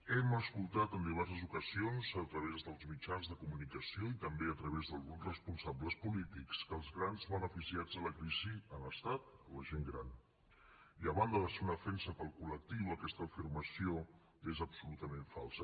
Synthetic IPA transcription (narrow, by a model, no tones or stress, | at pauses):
ɛməskulˠt̪at̪ənd̪iβɛɾs̬əzukəzionzət̪ɾəβ̞ezðəlˠzmit͡ʃanzðəkumunikəsioit̪əmbeət̪ɾəβezðəlˠɣunzrəspunsabləspulit̪ikskəlˠzɣɾanzβənəfisiad͡zðələkɾiziənləst̪at̪̚ələʒeŋɡɾa̰n | iəβand̪əðəseunəðəfɛnsəpəlˠkulək̚t̪iwəkɛst̪əːfirməsio | ezəpsulut̪əmẽɱfa̰lˠsə